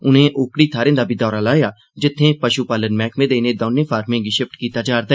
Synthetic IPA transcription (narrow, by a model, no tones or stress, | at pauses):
ʊnẽːʔʊːkɽiːt̪ʰaːɾẽːd̪aːbʱiːd̪ɔːɾaːlaːjaː | d͡ʒɪt̪ʰːẽːpəʃuːpaːlənmɛ̃ːkmẽːd̪eːnẽːd̪oːnẽːpʰaːɾmẽːɡiːʃɪp̚ʈkiːt̪aːd͡ʒaːɾd̪aɛː